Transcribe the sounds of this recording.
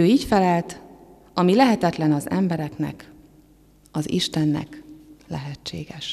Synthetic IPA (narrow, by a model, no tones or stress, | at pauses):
øːiːcfɛlɛlt̪ | ɒmilɛɦɛt̪ɛt̪lɛnɒzɛmbɛɾɛknɛ̰k | ɒzḭʃt̪ɛnːɛ̰klɛ̰ɦɛt͡ʃːḛːɡɛʃ